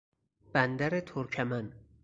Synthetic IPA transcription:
b̥ænd̪æɾet̪ʰoɾcʰæmæn

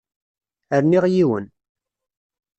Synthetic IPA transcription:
əɾniʁjiwə̰n

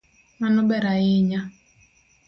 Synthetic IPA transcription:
manɔbɛɾaɪɲa

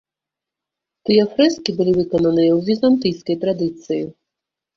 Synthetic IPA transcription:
t̪ɨjɐfɾɛskʲibɨlʲivɨkɔnɐnɨjɐwzʲizant̪ɨjskɐjt̪ɾad̪ɨt̪sɨji

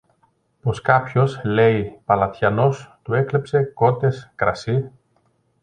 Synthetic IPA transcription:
po̞skɐpço̞sle̞ipɐlɐt̪çɐno̞st̪ue̞klepse̞ko̞t̪e̞skɾɐ̰si

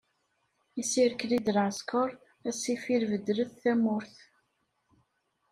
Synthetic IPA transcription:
isiɾklid̪əlʕskəɾˤ | æsifiɾvəd̪ːɾəθθæmʊɾθ

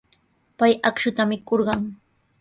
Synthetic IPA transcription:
pajakʃʊt̪amɪkoɾɢɑŋ

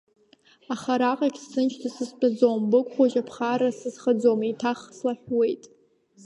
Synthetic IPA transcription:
aχaɾaqʼakʲsːɨnt͡ʃʰtʰasɨst͡pʼad͡zombɨkʷʼχʷaʒapʰχaɾasɨzχəd͡zomitʰaχslaħwe̞jtʼ

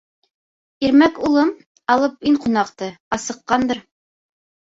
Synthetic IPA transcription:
iɾmækulˠɤm | ɑlˠɤp̚iɴqunɑqt̪ɤɑsɤ̆qːɑnd̪ɤ̆ɾ

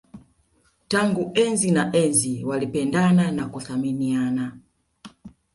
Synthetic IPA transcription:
taŋɡuʔɛnzinaʔɛnziwalipɛndananakuθaminiana

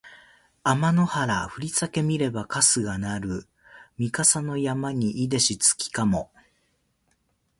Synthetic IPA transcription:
amano̞haɾaɸɯ̟ɾʲit͡sake̞mʲiɾe̞bakasɨɡanaɾɯ̟ | mʲikasano̞jamaɲ̟iʔid̪e̞ɕit͡sɨ̥kʲi̥kamo̞

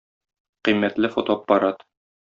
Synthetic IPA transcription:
qimːæt̪lɘfot̪oɑpːɑɾɑt̪

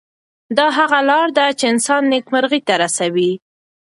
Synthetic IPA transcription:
d̪ɑɦaɣalɑɾd̪at͡ʃeɪnsɑnːekmaɾɣit̪aɾasawi

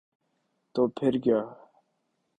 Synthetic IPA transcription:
t̪opʰeɾɡjaː

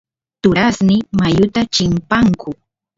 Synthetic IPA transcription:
t̪ʊɾasnɪmajʊt̪at͡ʃɪmpaŋkʊ

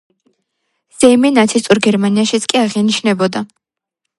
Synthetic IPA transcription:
z̥ɛjminat̪sʰist̪ʼuɾɡɛɾmaniaʃit̪sʰkʼiaʁiniʃnɛbɔd̪a

